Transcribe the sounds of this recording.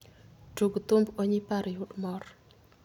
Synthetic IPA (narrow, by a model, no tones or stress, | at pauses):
duɡt̪umbɔɲipaɾjʊɗmɔr